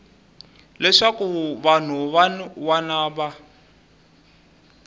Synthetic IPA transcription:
lɛʂakuβan̤uβwanaːβa

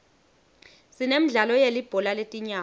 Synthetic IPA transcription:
sinem̩ɮalɔjelib̥ʱɔlaletʼiɲaː

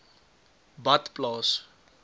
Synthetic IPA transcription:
bat̪plɔs

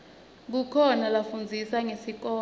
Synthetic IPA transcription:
k̬ukʰɔnalafund͡zʱisaŋesik̬ɔː

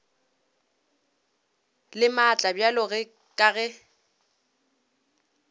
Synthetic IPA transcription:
lɪmat͡ɬʼabjalʊɣɛ | kʼaɣɛ

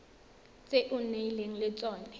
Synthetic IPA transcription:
t͡sʼeʔʊneileŋ̩lɪt͡sʼɔːnɛ

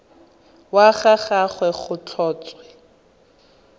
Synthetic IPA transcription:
waχaχaχwɛχʊt͡ɬʰɔːt͡sʼwɛ

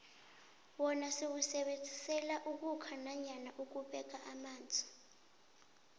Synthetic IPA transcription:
wɔnasiw̬usɛɓend͡zʱisɛlaʔuk̬ukʰanaɲanaʔuk̬uɓɛk̬aʔamaːnd͡zʱi̥

